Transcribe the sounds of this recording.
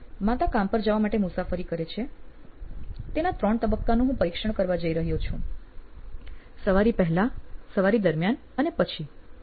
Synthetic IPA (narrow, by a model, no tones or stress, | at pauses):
mat̪akampəɾd͡ʒəʋamaʈemusafəɾikəɾet͡ʃʰe | t̪enat̪ɾɔɳt̪əbəkːanũɦũpəɾikʃəɳ̃kəɾʋad͡ʒəiɾəɦjot͡ʃʰũ | səʋaɾipɛɦɛlasəʋaɾid̪əɾmjan | ənepət͡ʃʰi